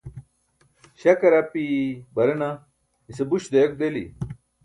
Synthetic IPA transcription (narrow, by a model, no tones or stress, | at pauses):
ɕɐkɐɾɐpibɐɾɐnɐ | isebuɕd̪ejk̚d̪elḭ